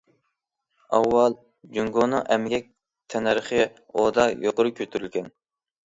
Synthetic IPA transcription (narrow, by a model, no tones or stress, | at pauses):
ɑwːɑlˠ | d͡ʒyŋɡonɨŋʔɛmɪɡʲɛk̚ʲ | t̪ʰɛnɾχə | od̪ɑjoqʊɾukʲʰøt̪ʰyɾylɡʲɛn